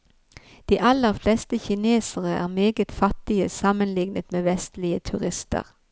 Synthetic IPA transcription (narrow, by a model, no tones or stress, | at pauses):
d̪̥iːʔɑləʁflɛst̪əçɪneːsəʁəæ̰ːʁmeːɡət̪fɑt̪ɪəsɑmənlɪɡnət̪meːʋɛst̪lɪət̪ʰʉʁɪst̪ə̰ʁ